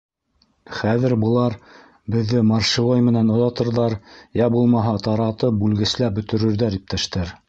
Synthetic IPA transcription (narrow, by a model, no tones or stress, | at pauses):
χæðɘ̆ɾbɤ̆lˠɑɾ | bɘ̆ðːɘmɑrʃivojmɘ̆nænŏðɑt̪ɤ̆ɾðɑɾjæbulˠmɑɦɑt̪ɑɾɑt̪ɤp̚bʉlɡɘ̆slæbɵ̆t̪ɵ̆ɾɵ̆ɾðæɾip̚t̪æʃt̪æɾ